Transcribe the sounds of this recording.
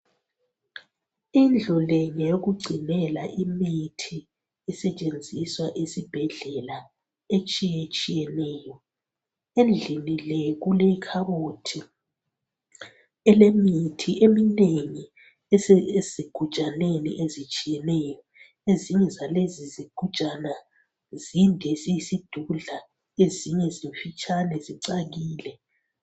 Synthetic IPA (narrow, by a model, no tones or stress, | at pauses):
ind͡ɮʱɔlɛɲɛjoɣuɡ͡ǀʱinɛlaʔimitʰi | ɛsɛt͡ʃʼend͡zʱiswaʔesib̥ʱɛɮɛla | et͡ʃʼijet͡ʃʼijɛnɛːjɔ | end͡ɮʱinilɛɣulekʰaɣotʰi | ɛlemitʰiʔemineŋi | eziɡ̥ʱut͡ʃʼanenḭʔezit͡ʃʼijɛnɛjɔ | eziɲɛzaleziziɡ̥ʱut͡ʃʼana | zindʱɛzijisid̥ʱuɮa | eziɲɛziɱfit͡ʃʼanɛziǀaɣiːlɛ